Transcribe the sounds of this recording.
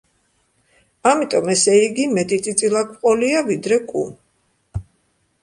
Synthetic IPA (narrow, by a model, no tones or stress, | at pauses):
amit̪ʼɔmɛsɛiɡimɛt̪ʼit̪ʼit̪sʼilˠakʰqʼɔliavid̪ɾɛkʼṵn